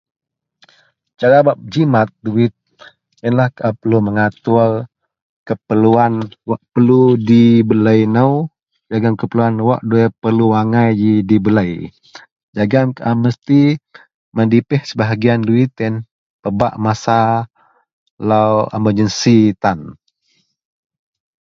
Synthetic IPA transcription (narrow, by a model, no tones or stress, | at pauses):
t͡ʃaɾabap̚d͡ʒimat̪̚duɪt̪̚ | jənlahkapəluməŋat̪ʊr | kəpəluanwaʔpəludibələjnəw | d͡ʒaɡaŋkəpəluanwaʔduɛpərluaŋajjidibələj | d͡ʒaɡaŋkʔaməst̪i | məndipɛhsəbaɦaɡianduɪt̪ən | pəba̰ʔmasa | lawəməd͡ʒənsit̪an